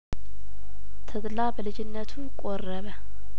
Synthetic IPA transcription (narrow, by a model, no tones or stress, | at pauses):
t̪ʰəd̪labəlɨd͡ʒɪnːət̪ʰukʼorːəβə